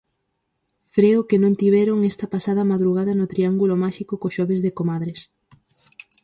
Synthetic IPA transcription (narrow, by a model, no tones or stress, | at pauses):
fɾeʊkenõnt̪iβɛɾoŋɛst̪ɐpasað̞ɐmaðɾuɣaðɐnʊt̪ɾiaŋɡulomaʃikʊkoʃɔβezðekomaðɾes